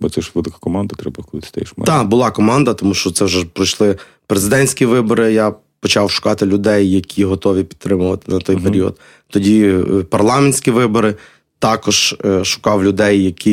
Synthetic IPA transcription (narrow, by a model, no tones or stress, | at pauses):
bɔt̪sɛʃʋɪlˠɪkɐ̥kɔmɑnd̪ɐt̪ɾɛbɐklˠɪt̪ɪ̥st̪ɐ̰jɛ̰ʃmɛ̰d̪ɑbʊlˠɑkɔmɑnd̪ɐt̪ɔmuʃt͡ʃɔt̪sɛwʒɛpɾɔjʃlˠɪ | pɾezɪd̪ɛnʲsʲkʲiʋɪbɔɾɪja | pɔt͡ʃɑwʃʊ̥kɑt̪ɪlʲʊd̪ɛjːɐkʲʰiɦɔt̪ɔʋʲipʲid̪t̪ːɾɪmʊʋɐt̪ɪ̥nɐt̪ɔjpeɾʲiɔ̰d̪ | t̪ɔdʲipɐrlˠɑmenʲsʲkʲiʋɪbɔɾɪ | t̪ɑkɔʒ̥ʃʊ̥kɑwlʲʊd̪ɛjːɐkʰʲi